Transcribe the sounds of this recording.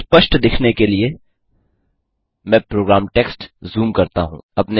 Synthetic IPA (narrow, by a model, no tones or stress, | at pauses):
pəʃʈd̪ɪkʰnekelie | mɛ̃ːpɾoːɡɾaːmʈeːksʈzuːmkɐɾt̪aɦṵ̃ːɐpne